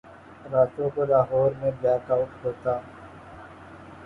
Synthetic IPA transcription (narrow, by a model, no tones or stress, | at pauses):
ɾaːt̪õkolaːɦoːɾmẽblɛːkaːʊʈɦoːt̪aː